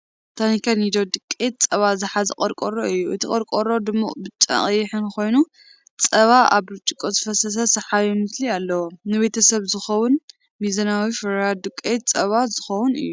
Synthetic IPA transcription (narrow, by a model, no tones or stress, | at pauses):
t̪ʰanikʰanid̪od̪ɨkʼːet̪̚t͡sʼɐβazɨħazɨqʼɐɾkʼoɾoɨjːuʔɨt̪ʰikʼɐɾkʼoɾo̞d̪ɨmːubɨt͡ʃʼɐ̰χʼjɪħɨnkʰo̞jnu | t͡sʼɐβaʔa̰βɾɨt͡ʃʼɪkʼːozɨfɐsɐs̬ɐsɐħajunɨt̪lialːɐwonɨβe̞t̪ʰɐsɐβzɨxɐwʊn | mizɐnawifɨɾjad̪ɨkʼːet̪̚t͡sʼɐβazɨxɐwʊnɨ̰jːu